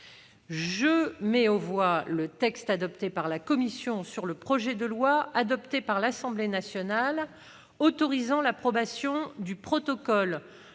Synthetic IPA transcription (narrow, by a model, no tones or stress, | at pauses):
ʒəmɛɔvwalət̪ɛkst̪ad̪ɔpt̪epaʁlakɔmisjɔ̃syʁləpχɔʒɛd̪əlwaad̪ɔpt̪epaʁlasɑ̃blenasjɔnal | ot̪ɔʁizɑ̃lapχɔbasjɔ̃d̪ypχɔt̪ɔkɔl